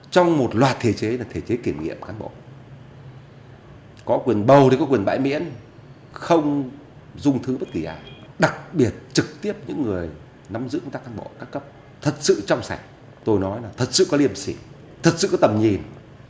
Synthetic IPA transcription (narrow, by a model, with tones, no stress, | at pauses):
t͡ɕɔ˧wŋ͡mmo˨˩t̚lwaː˨˩t̚t̪ʰe˧˩t͡ɕe˨˦laː˨˩t̪ʰe˧˩t͡ɕe˨˦ki˧˩mŋḭ˧˨əmkaː˨˦nɓo̰˧˨ | kɔ˨˦kwi˨˩ənɓə˨˩wkɔ˨˦kwi˨˩ən˩ɓa̰ː˧˨jmḭ˧˥ən | xə˧wŋ͡m | zʊ˧ŋ͡mt̪ʰɨ˨˦ɓə˦˥t̚ki˧˩ʔaː˨˩ɗa˨˩k̚ɓi˨˩ət̚t͡ɕɨ˨˩k̚t̪i˦˥əp̚ɲɨ̰˧˥ŋːɨ˨˩əj | na˨˦mzɨ̰˧˥kə˧ŋ͡mt̪aː˦˥kaː˨˦ɓo̰˧˨kaː˦˥kːə˦˥p̚ | t̪ʰə˨˩t̚sɨ̰˧˨t͡ɕɔ˧wŋ͡msa˧˩jk̟̚ | t̪o˧jnɔ˨˦jlaː˨˩t̪ʰə˨˩t̚sɨ̰˧˨kɔ˨˦li˧əmsi˧˩ | t̪ʰə˨˩t̚sɨ̰˧˨kɔ˨˦t̪ə˨˩mɲi˨˩n